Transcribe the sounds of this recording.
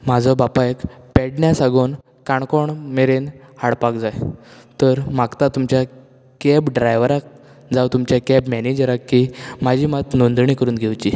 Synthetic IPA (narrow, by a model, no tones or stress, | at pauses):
m̤ad͡zʱɔbapaekpɛɽɳjasaɡon | kaɳkɔɳmeɾenhaɽpakd͡zajt̪əɾmaɡt̪at̪umt͡ɕja | kɛbɖɾajʋɾak̚ | d͡zawt̪umt͡ɕjakɛbmɛned͡ʑəɾakːim̤ad͡ʑʱiːmat̪nond̪ɳikəɾuːnɡʱewt͡ɕi